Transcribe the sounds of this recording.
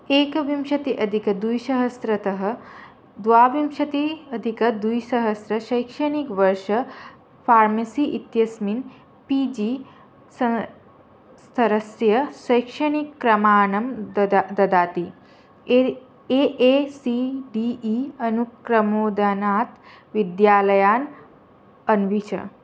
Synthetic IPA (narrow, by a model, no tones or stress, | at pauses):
eːkɐʋimʃɐt̪iʔɐd̪ʱikɐd̪ujʃɐɦɐsɾɐt̪ɐɦɐ̆ | d̪ʋaːʋimʃɐt̪iɐd̪ʱikɐd̪ujʃɐɦɐsɾɐʃɐjkʂɐɳikʋɐɾʃɐ | fʰaːɾmɐsiʔit̪jɐsmin | pid͡ʒiː | sɐ | st̪ʰɐɾɐsjɐʃɐjkʂɐnikːɾɐmaːnɐmd̪ɐd̪aːt̪i | eʔesiɖiʔiɐnukɾɐmoːd̪anaːt̪ | ʋid̪jaːlɐjaːn | ɐnʋit͡ʃʰɐ̰